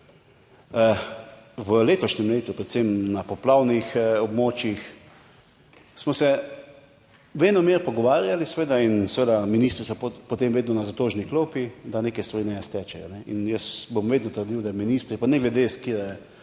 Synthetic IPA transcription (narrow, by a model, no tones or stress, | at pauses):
ʋəleːt̪ɔʃnɛmleːt̪upɾɛt̪semnapɔplawnixɔbmoːt͡ʃjix | smɔsɛ | ʋeːnɔmeːɾpɔɡɔʋaːɾjalisʋeːd̪ainsʋeːd̪aminiːst̪ɾisɔppɔt̪emʋeːd̪nɔnazat̪oːʒniklopid̪aneːkɛst̪ʋaɾinɛjɛst̪ɛt͡ʃɛjɔnɛinjəsbomʋeːd̪nɔt̪əɾd̪iwd̪aminiːst̪ɾipanɛɡlɛd̪eskiɾɛ